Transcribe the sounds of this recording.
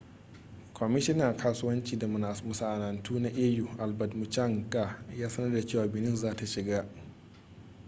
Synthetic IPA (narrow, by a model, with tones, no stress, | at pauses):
kʷʰɔ˨mɪ˦ʃɪ˦na˨kʰaː˦su˦wɐ˦nt͡ʃiː˨da˨mʊ˨nʔa˨smʊ˨sa˨ʔa˨na˨ntʰuː˦na˦ʔeː˦ju˨ʔa˨lbɐ˨dmʊ˨t͡ʃa˦ŋkʼa˦˨jaː˦sɐ˦nɐ˦rda˨t͡ʃeː˦˨waː˨bɪ˨nɪ˦nzaː˦ta˨ʃɪ˨ɡaː˦